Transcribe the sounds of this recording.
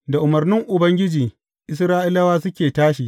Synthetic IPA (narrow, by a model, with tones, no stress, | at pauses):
da˨ʔʊ˨mɐ˨rnɪ˦ŋʔʊ˨bɐ˦ŋɡʲɪ˦d͡ʒiː˨ | ʔɪ˦s̬ɾaː˦ʔɪ˦lɐ˦waː˦sʊ˦kʲeː˨taː˦ʃi˨